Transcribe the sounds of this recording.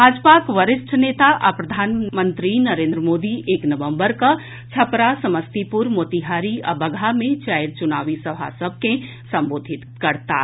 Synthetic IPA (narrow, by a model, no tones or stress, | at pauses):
bʱaːd͡ʒpakʋəɾɪsʈʰneːt̪aʔapɾɐd̪ʱaːnmə̃nt̪ɾinɐɾẽːnd̪ɾəmoːd̪iʔeːknɐʋə̃mbəɾka | t͡ʃʰɐpɾasɐməst̪ipʊɾmoːt̪iɦaːɾiʔɐ̰bəɡʱamẽt͡ʃaːɪɾt͡ʃʊnaːʋisɐbʱa̰səb̚ʱkẽ | sɐ̃mboːd̪ʱɪt̪kɐɾt̪a̰ː